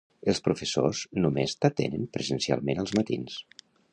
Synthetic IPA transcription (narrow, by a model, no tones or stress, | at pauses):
əlˠspɾufəsoznumezt̪ət̪enəmpɾəzənsia̰lˠmenəlˠzmət̪ḭns